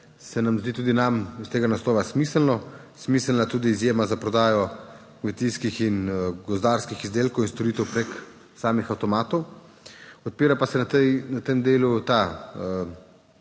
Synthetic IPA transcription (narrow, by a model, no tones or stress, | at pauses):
sɛnamzd̪iːt̪uːd̪inamist̪eːɡanaslɔːʋasmiːsəlnɔ | smiːsəlnat̪uːd̪iːzjeːmazapɾɔd̪aːjɔ | kmɛt̪ijskixinɡɔzd̪aːɾskixizd̪eːlkowinst̪oɾiːt̪ɛwpɾek | saːmixawt̪ɔmaːt̪ɔw | ɔt̪̚piːɾapasɛnat̪ɛjnat̪emd̪eːlut̪aə